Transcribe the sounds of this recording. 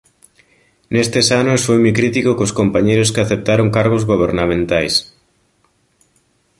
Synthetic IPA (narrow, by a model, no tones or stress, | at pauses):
nest̪esanosfojmujkɾit̪ikokoskompaɲejɾʊskɪaθep̚t̪aɾoŋkaɾɣozɣoβ̞eɾnamẽnt̪ajs